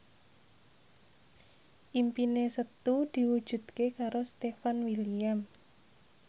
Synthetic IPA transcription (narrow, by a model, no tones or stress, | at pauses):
ʔimpinesət̪ud̪̥i̤wud̥ʒ̥ṳd̪̥̚kekaɾost̪efanwiliam